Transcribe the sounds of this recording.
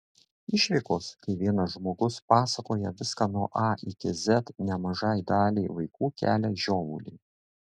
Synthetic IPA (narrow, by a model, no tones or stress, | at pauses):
ɪʃʲʋʲɪkoːskɐɪʋʲiɛnɐʒmoːɡʊspɑːsɐkoːjɛʋʲɪskɑnuɔʔɑʔɪkʲɪzʲɛt̪nʲɛmɐʒɑːˑjd̪ɑːlʲiɪʋɐɪkuːkʲæ̰ːlʲɛʒʲoːʋʊ̰ːlʲḭ